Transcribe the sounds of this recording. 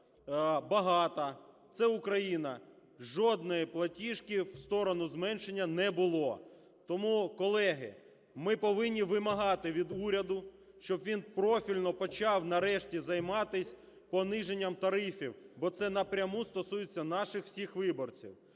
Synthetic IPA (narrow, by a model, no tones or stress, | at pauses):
bɐɦɑt̪ɐt̪sɛʊkɾɐjinɐ | ʒɔd̪nɪjplˠɐtʲiʃkɪwst̪ɔɾɔnʊzmɛnʃenʲːɐnɛbʊlˠɔ | t̪ɔmukɔlˠɛɦɪ | mɪpɔʋɪnʲːiʋɪmɐɦɑt̪ɪʋʲid̪uɾʲɐd̪ʊ | ʃt͡ʃɔbʋʲinpɾɔfʲilʲnɔpɔt͡ʃɑwnɐɾɛʃtʲizɐjmɑt̪ɪsʲ | pɔnɪʒenʲːɐmt̪ɐɾɪfʲiwbɔt̪sɛnɐpɾʲɐmust̪ɔsujet͡sʲːɐnɑʃɪxw̥sʲixʋɪbɔrt͡sʲḭw